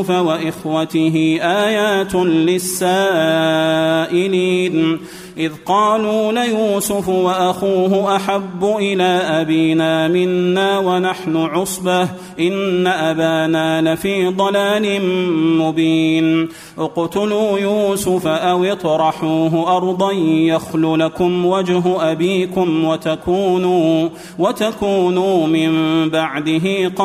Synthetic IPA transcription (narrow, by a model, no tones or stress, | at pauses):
fawaʔɪxwat̪ɪɦɪʔaːjaːt̪lɪsːaː | ʔɪliːn | ʔɪðqɑːluːlajuːsʊfwaʔaxuːɦʊʔaħabːʊʔɪlaːʔabiːnaːmɪnːaːwanaħnʊʕʊsˤbah | ʔɪnːaʔabaːnaːlafiːd̪ˤɑlaːlɪnmʊbiːn | ʔʊqt̪ʊluːjuːsʊfaʔawɪt̪ˤɾˤɑħuːɦʊʔɑɾˤd̪ˤɑjjaxlʊlakʊmwad͡ʒɦʊʔabiːkʊmwat̪akuːnuː | wat̪akuːnuːmɪmbaʕd̪ɪɦɪqɑ